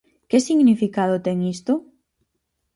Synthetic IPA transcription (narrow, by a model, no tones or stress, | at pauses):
kesiɣnifikaðʊt̪ɛŋist̪ʊ